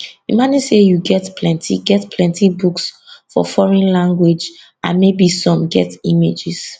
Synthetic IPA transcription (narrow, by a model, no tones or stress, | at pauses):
imanisejuɡɛtpʰlɛ̃ntʰḭɡɛtpʰlɛ̃ntʰibuksfɔ̰fɔɹɔ̃nlãŋɡwed͡ʒ | ãnmebisɔ̃mɡɛ̰timed͡ʒɪs